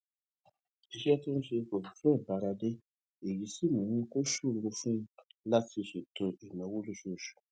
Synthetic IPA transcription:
i˧ʃɛ˦ti˦nũ˦ʃe˧ko˨su˨fũ˦ɛ˦˨ba˨˦ɾa˧de˦ | e˨ɾi˨˦si˦mũ˨˦ũ˧ko˦ʃu˦˨lo˧fũ˦la˦ti˧ʃu˨to˧ʔi˨nɔ̃˨˦wo˦lu˦˨ʃu˦˨ʃu̥˨

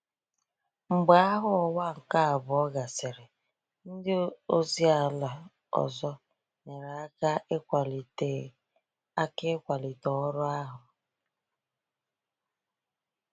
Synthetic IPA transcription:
ŋ͡m̩˨ɡ͡ba˦a˦ɦʊ˦ɔ˨wa˦ŋ̩˨ka˦a˨bʊ˨ɔ˦ɡa˨sɪ˨ɾɪ˨ | n̩˦dɪ˦o˦zi˦a˨la˨ | ɔ̰˨zɔ˦ | ne˨ɾa˦ka˦ʔe˦kʷa˨li˨te˨ | a˦kɪ˦kʷa˨li˨tɔ˨˦ɾʊ˦a˦ɦʊ˨

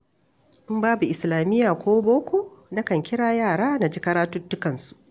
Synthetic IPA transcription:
ʔɪ˦mbaː˦bu˨ʔɪ˨slaː˨mɪ˦jːaː˨kʷoː˦boː˦kʷoː˨na˦kɐ˨ŋkʲɪ˦ɽaː˨jaː˦˨ɽaː˦na˨d͡ʒi˦kɐ˦ɽaː˦tʊ˦tːʊ˦kɐ˨nsu̥˨

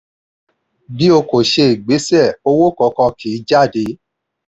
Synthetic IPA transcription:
bi˨˦o˧ko˨ʃe˧i˨ɡ͡be˨˦sɛ˦˨o˧wo˦kɔ˧kɔ̃˧kʰi˨˦d͡ʒa˦˨de˨˦

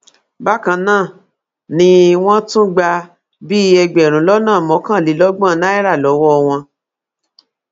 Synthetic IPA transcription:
ba˦kã˧nãː˦˨ | nĩ˧w̃ɔ̃˦tũ˦ɡ͡ba˧ | bi˦ɛ˧ɡ͡bɛ˨ɾ̃ũ˨˦lɔ˦nãː˦˨mɔ̃˨˦kã˦˨li˨˦lɔ˦ɡ͡bã˦˨˦na˦i˦ɾa˦˨lɔ˨˦wɔ˦˧w̃ɔ̃˧

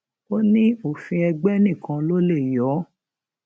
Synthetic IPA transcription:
o˦nĩ˦o˦˨fĩ˧ɛ˧ɡ͡bɛ˦nĩ˦˨kʰã˧lo˦le˦˨jɔ˨˦

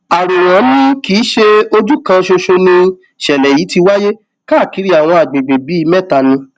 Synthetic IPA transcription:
a˨ɾo˨ɾ̃ɔ̃˨˦nĩ˦kiː˨˦ʃe˧o˧d͡ʒu˦kã˧ʃo˧ʃo˧nĩ˧ | ʃɛ˨lɛ˨ji˨˦ti˧wa˦je˦ | ka˦˨ki˨˦ɾi˦a˨w̃ɔ̃˧a˨ɡ͡be˨ɡ͡be˨bi˨˦˧mɛ̃˦˨ta˧nĩ˧

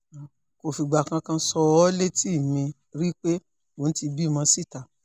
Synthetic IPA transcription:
ko˧˨fi˧ɡ͡ba˨kã˧kã˧˦sɔ˧ɔ˦le˦ti˦˨mĩ˧ | ɾi˦k͡pe˦ | wo˨n̩˦ti˧bi˦˨mã˧si˦˨ta˨

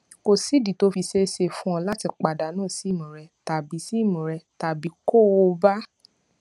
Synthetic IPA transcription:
ko˨si˨˦di˨to˨˦fi˧ʃe˦ʃe˧˦fũ˦ɔ̃˧la˦ti˧k͡pa˨da˨˦nãː˦˨si˨˦˨mũ˨ɾɛ˧ta˨bi˨˦si˦˨mũ˨ɾɛ˧ta˨bi˨˦ko˦˨o˧ba˦

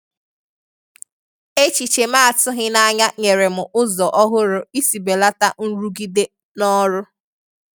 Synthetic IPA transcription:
e˦t͡ʃi˨t͡ʃe˨m˦a˦a˨tʊ˦ɦɪ˦na˦ɲa˦ɲe˨ɾe˨mʊ˨ʔʊ˦zɔ˨ʔɔ˦ɦʊ˦ɾʊ˨i˦si˨be˨la˦ta˦n̩˦ɾu˦ɡi˦de˦ | nɔ˦ɾʊ˦

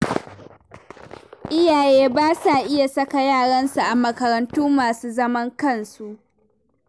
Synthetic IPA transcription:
ʔɪ˦jaː˨jeː˦baː˦sa˨ʔɪ˦ja˨sɐ˦ka˨jaː˦˨ɽɐ˦nsu˨ʔa˨mɐ˨kɐ˨ɾɐ˨ntuː˦maː˨suː˦zɐ˦mɐ˦ŋkɐ˦˨nsu˦ʔ

